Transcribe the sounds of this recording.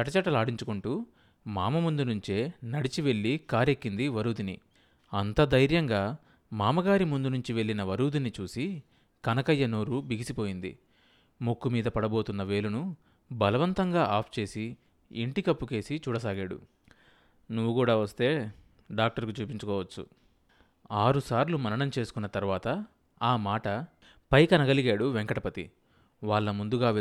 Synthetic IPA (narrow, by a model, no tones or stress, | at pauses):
t͡ʃɐʈːɐt͡ʃɐʈːɐlaːɽiɲt͡ʃukuɳʈuː | maːmɐmund̪unuɲt͡ʃe̞ːnɐɽit͡ʃiʋe̞ɭːikaːɾekːind̪iʋɐɾuːd̪ini | ɐnt̪ɐd̪ɐjɾjɐŋɡaː | maːmɐɡaːɾimund̪unuɲt͡ʃiʋe̞ɭːinɐʋɐɾuːd̪init͡ʃuːsi | kɐnɐkɐjːɐno̞ːɾubiɡisipo̞ːjind̪ḭ | mokːumiːd̪ɐpɐɽɐbo̞ːt̪unːɐʋe̞ːlunu | bɐlɐʋɐnt̪ɐŋɡaːʔaːpʰt͡ʃe̞ːsi | iɳʈikɐpːuke̞ːsit͡ʃuːɽɐs̬aːɡaːɽṵ | nuʋːukuːɽaːʋɐst̪e̞ː | ɖaːk̚ʈɐɾkut͡ʃuːpiɲt͡ʃukɔːʋɐt͡ʃːṵ | aːɾusaːɾlumɐnɐɳɐmt͡ʃe̞ːsu̥kunːɐt̪ɐɾuʋaːt̪ɐ | aːmaːʈɐ | pɐjkɐnɐɡɐliɡaːɽuʋeŋkɐʈɐpɐt̪ḭ | ʋaːɭːɐmund̪uɡaː